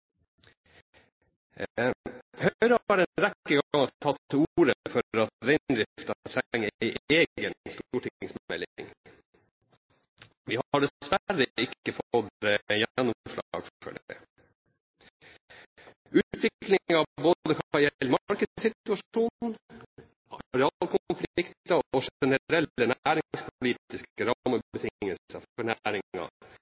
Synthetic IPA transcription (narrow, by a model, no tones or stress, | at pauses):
hœʏɾəɑɖɛnɾɛkːəɡɑŋɑt̪ʰɑt̪ʰːuːɾəfɔɾɑt̪ɾɛɪnd̪ɾɪft̪ɑt̪ʰɾæŋːæɪʔeːɡənst̪uːʈɪɪŋsmmɛ̰lɪ̰ŋ | ʋiːhɑɖɛsʋæɾəɪkːəfɔd̪əjɛnːɔmʂlɑ̰ɡffœ̰ɖ | ʉːt̪ʰʋɪklɪŋɑboːd̪əkʰɑjɛlːmɑɾkəsɪt̪ʉɑʂuːnn | ɾɑlkʰʊnflɪkt̪ɑɔʂɛnəɾɛlːənæːɾɪŋspʰʊliːt̪ɪskəɾɑːməbət̪ʰɪŋŋːəlsəfɔɳæɾɪɑ̰